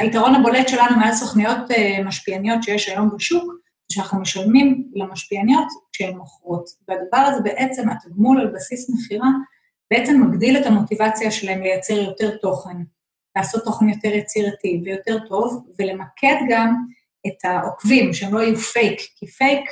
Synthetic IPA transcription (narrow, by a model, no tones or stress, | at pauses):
aitaʁo̞nabo̞le̞tʃe̞lanumealsoχnijo̞t̪maʃpianijo̞tʃe̞jeʃajo̞mbeʃuk | zʃeanaχnumeʃalmimlemaʃpianijo̞tkʃeemːoχʁotbeadavaʁazebe̞ʔe̞t͡se̞mataɡmulalbasismeχiʁa | beʔet͡semːaɡdile̞tamo̞tivat͡siaʃelaɦe̞mle̞jat͡se̞ʁjo̞te̞ʁto̞χe̞n | laːso̞tːo̞χenjo̞te̞ʁjat͡siʁativejo̞te̞ʁto̞vːe̞le̞makʰe̞dɡam | etaʔokvimʃeemloajufe̞jkːifejk